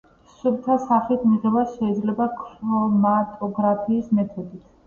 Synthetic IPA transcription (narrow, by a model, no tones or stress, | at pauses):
suɾt̪ʰasaχit̪ʰmiʁɛbasʃɛid̪zlɛbakʰɾɔmat̪ʼɔɡɾapʰiːsmɛt̪ʰɔd̪it̪ʰ